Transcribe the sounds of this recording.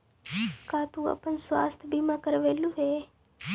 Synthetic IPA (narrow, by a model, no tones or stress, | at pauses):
kat̪ũa̰ːpənsʋa̰ːst̪ʰbimãkəɾʋeːluɦe